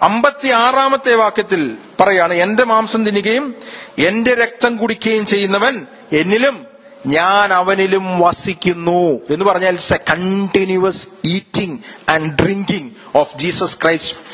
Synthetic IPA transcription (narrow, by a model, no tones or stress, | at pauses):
ɐmbɐt̪ːiaːraːmɐt̪ːe̞ːʋaːkjɐt̪ːil | pɐrɐjaːɳɨe̞nde̞maːmsɐmt̪inːikːɐjume̞nde̞ɾe̞k̚t̪ɐmkuɽikʲːɐjumt͡ɕe̞jːunːɐʋɐn | e̞nːilum | ɲaːnɐʋɐnilumʋɐsikʲːunːue̞nːupɐrɐɲːaːlsɐkɐɳʈinjuɐsiːtːiŋɐɳɖɖriŋkiŋ | oːfd͡ʑiːsɐskrɐjst